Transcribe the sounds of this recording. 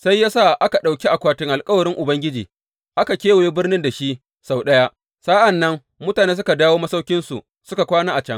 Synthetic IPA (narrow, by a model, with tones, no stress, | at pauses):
sa˦jːaː˦sa˦˨ʔa˦ka˨ɗa˨wkʲi˦ʔa˨kʷaː˨tɪ˦ŋʔa˨lkʼɐ˦wɐ˨ɾɪ˦ŋʔʊ˨bɐ˦ŋɡʲɪ˦d͡ʒḭː˨ | ʔa˦ka˨kʲeː˦wo˨jeː˦bɪ˦rnɪ˦nda˨ʃi˦ʔ | sa˦˨wɗɐ˦ja˦ʔ | saː˦ʔa˨nːɐ˦ŋ | mʊ˦taː˨neː˦s̬ʊ˦ka˨daː˦woː˦mɐ˦sa˦wkʲɪ˦nsṵ˨ | sʊ˦ka˨kʷaː˦naː˦ʔa˨t͡ʃɐ˦ŋ